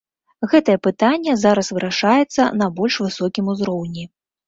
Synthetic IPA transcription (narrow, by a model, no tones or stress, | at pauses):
ɣɛt̪ɐjɛpɨt̪anʲːɛzaɾɐsvɨɾʔaʂajɛt̪sːɐ̰nɐbɔlʲʂvɨsɔkʲimuzɾɔwnʲi